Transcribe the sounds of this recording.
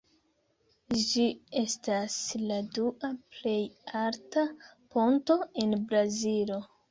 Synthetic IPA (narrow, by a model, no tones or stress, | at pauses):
d͡ʒie̞stasladuʔaple̞jaɾtapo̞nto̞enbɾazilo̞